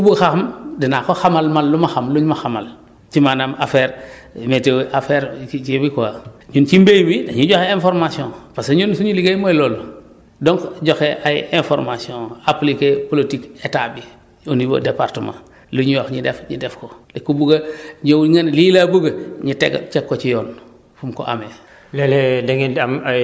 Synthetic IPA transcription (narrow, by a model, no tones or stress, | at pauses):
kubuɡxaxamdinakoxamalmalːumaxamluɲmaxama̰l | t͡ʃimanamafeɾmetewʔafeɾt͡ʃibikoaɲunt͡ʃimbejmidaɲuɟoxeẽnfoɾmasiõŋpaseɲunsuɲuliɡajmojloːlu | doŋkɟoxeʔajḭʔenfo̰ɾmasiõŋaplikepolotiketabi | onibo̰depaɾtəmã̰ | luɲuwoxɲidefɲḭdefkolekːubuɡaɲowŋanlilabuɡaɲitḛɡ̰t͡ʃɛkːot͡ʃijɔːn | fumko̰ʔa̰me | leledeŋiam